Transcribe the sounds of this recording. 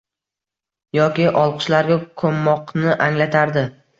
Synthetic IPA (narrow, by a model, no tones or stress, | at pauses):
jɒkʲɪʔɒlˠqʰɨ̥ʃlaɾɡʲakʰomːɒqnɪʔaŋlat̪ʰaɾd̪ɪ